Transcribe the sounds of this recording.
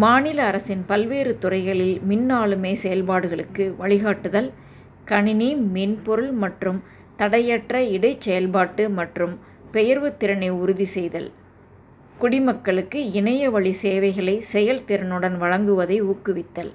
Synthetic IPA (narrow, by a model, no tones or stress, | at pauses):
maːnɪlɐːɾɐsɪnpɐlʋeːɾɯt̪ʊrɐɪɣɐɭɪlmɪnːaːɭɯmeːsɛjɐlbaːɽɯɣɐɭɯkːɯʋɐɭɪɣaːʈːɯðɐl | kɐɳɪnimeːnpɔɾɯlmɐʈrɯm | t̪ɐɽɐjɐʈrɐɪɽɐɪt͡ʃːɛjɐlbaːʈːɯmɐʈrɯm | pɛjɐɾʋɯt̪ːɪɾɐnɐɪʊɾʊðisɛjðɐ̰l | kʊɽɪmɐkːɐɭɯkːɯɪnɐjɐʋɐɭiseːʋɐɪɣɐɭɐɪsɛjɐlt̪ɪɾɐnɯɽɐnʋɐɻɐŋɡɯʋɐðɐɪuːkːɯʋɪt̪ːɐl